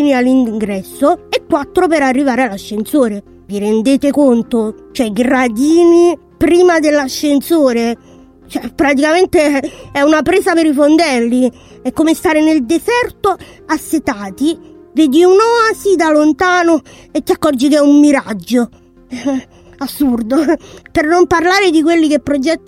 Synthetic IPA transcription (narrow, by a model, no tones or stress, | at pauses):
inialːiŋŋɡɾɛsːoekːwat̪ːɾopeɾarːivaːɾealaʃːensoːɾe | viɾend̪eːt̪ekont̪ot͡ʃoɛɡɾad̪iːni | pɾiːmad̪elːaʃːensoːɾe | t͡ʃɛpɾat̪̬ikament̪eɛunapɾeːzapeɾifond̪ɛlːi | ɛkːomest̪aːɾeneld̪esɛrt̪o | asːet̪aːt̪i | veːd̪iunɔasid̪alont̪aːno | et̪ːiakːɔrd͡ʒikɛumːiɾad͡ʒːo | asːurd̪opernomparlaːɾed̪ikwelːikepːɾod͡ʒɛt̪ː